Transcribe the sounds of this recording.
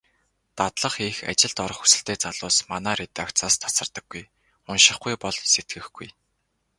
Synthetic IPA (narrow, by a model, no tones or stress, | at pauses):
t̪at̪ɮə̆χixa̰t͡ɕɪ̆ɮt̪ɔɾɞ̆χxu̥sɘ̆ɬt̪eːt͡saɮʊːsmanaːɾet̪ak̪t͡saːst̪ʰḁsə̆rt̪ə̆ɡ̥ːuj | ʊnʃɪ̆χɡujpɔɮset̪̚ɡɘ̆xɡuj